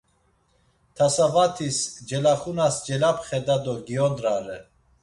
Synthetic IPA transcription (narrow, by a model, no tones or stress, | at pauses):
t̪ʰasavat̪ʰisd͡ʒɛlaχunasd͡ʒɛlapʰχɛd̪ad̪ɔɡiɔd̪ɾaɾɛ